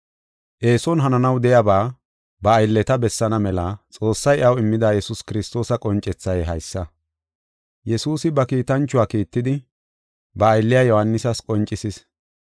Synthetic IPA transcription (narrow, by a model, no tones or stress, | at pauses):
ʔe̞ːsɔnɦɐnɐnɐwd̪ɛjabaː | bɐːjlːɛt̪ɐbɛsːɐnɐmɛlɐt͡sʼo̞ːsːɐjʔɐwɪmːɪd̪aːjɛsʊskɪɾɪst̪o̞ːsɐkʼɔnt͡ʃʼːɛt͡sːɐjɦɐjsːɐ | jɛsuːsɪbɐkiːt̪ɐnt͡ʃːʊwaːkiːt̪ːɪd̪ɪ | bɐːjlːɪjaːjɔhɐnːɪsɐskʼɔnt͡ʃʼːɪsɪs